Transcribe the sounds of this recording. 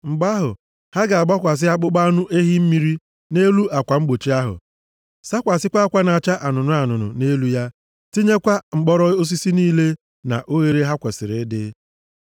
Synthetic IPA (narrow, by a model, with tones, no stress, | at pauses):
ŋ͡m̩˨ɡ͡ba˦ɦʊ˨ | ha˦ɡa˨a˨ɡ͡ba˦kʷa˨s̬ɪ˦a˦k͡pʊ˦ɡ͡ba˦nʊ˦ʔe˦ɦi˦m̩˦mi˦ɾi˦ | ne˦lu˦a˨kʷa˨ŋ͡m̩˦ɡ͡bo˨t͡ʃi˦a˦ɦʊ̰˨ | sa˦kʷa˨sɪ˦kʷa˦kʷa˦na˨t͡ʃa˦ʔa˨nʊ˨nʊ˦a˨nʊ˨nʊ̰˨ne˦lu˦ja˦ | ti˦ɲe˦kʷa˦ŋ͡m̩˨ɡ͡bɔ˦ɾɔ˦o˦s̬i˦si˦niː˦le˦ | na̰˨ʔo˦ɣe˨ɾe˦ɦa˦kʷe˨sɪ˨ɾɪ˨˦dɪ˦